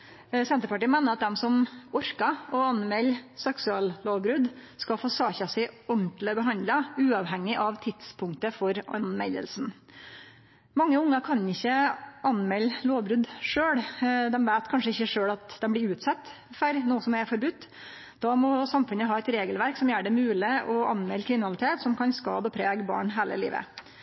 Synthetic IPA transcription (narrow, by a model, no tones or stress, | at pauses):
sɛnt̪əɾpɑʈiːəmeːnəɾɑt̪̚d̪ɛmsɔmɔɾkɑɔɑnmɛlːsɛksʉɑːlloːʋbɾʉd̪skɑfoːsɑːçɑsɪɔɳʈ̪ləbəɦɑnd̪ləʉːɑʋɦɛŋːɪʔɑʋt̪ʰɪt̪spʰʊŋk̚t̪əfɔɾʔɑ̰nmɛ̰lə̰lsn | mɑŋːəʊŋːɑkʰɑnɪçːəɑnmɛlːloːʋbɾʉd̪ʂøːɽd̪ɛmʋæːt̪kʰɑnʂəɪçːəʂøːɽɑt̪d̪ɛmblɪɾʉːt̪sɑt̪ː | fæɾnuːəsɔmɛɾfɔɾbʉt̪ː | d̪̥ɑmɔsɑmfʉnəɦɑːɛt̪ɾeːɡəlʋæɾksɔmjæːɖɛmʉːlɪʔɔɑnmɛlːkʰɾɪmɪnɑlɪt̪ʰeːt̪sɔmkʰɑnskɑ̰ːd̪əɔpʰɾeːɡbɑ̰ːɳɦeːlə̰lḭːʋə̰